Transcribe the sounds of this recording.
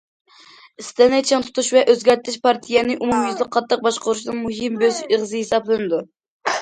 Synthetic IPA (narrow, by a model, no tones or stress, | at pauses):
ɪst̪ɛnɛt͡ʃʰɛnt̪ʰu̥t̪uʃvɛʔøzɡʲɛɾt̪ʰɪʃpʰɑɾt̪ʰijɛnɪʔumumjyzlˠɨk̚qʰːɑt̪ʰːəq̚bɑʃqʊɾuʃnɨŋmuɦɨmbøzeʁzɨhesɑblˠɨnɨd̪u